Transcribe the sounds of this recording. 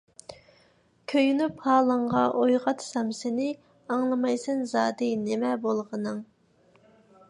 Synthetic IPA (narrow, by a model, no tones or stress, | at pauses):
kʲʰøjynyphɑːlˠəɴʁɑʔojʁɑt̪ʰsɑmsɪnɪ | ɑŋlˠɨmɑjsɨnzɑːd̪ɨnɪmɛbolˠʁənɨŋ